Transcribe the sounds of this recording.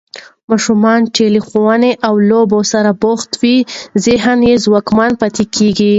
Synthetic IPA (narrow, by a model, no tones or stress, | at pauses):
mɑʃumɑnʈelixowaneʔawlobosaɾabʊxt̪wizeɦanjezwɑkmɑnpat̪ekeɡi